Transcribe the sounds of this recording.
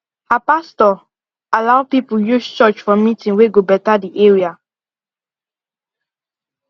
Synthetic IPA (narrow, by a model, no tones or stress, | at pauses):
hapastɔ | alaʊpipujust͡ʃɔt͡ʃfɔmitĩnweɡobɛtadiʔeɹia